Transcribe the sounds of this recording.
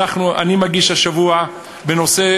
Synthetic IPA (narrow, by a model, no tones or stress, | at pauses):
aχnuʔa̰nimaɡiʃaʃavua | beno̞se̞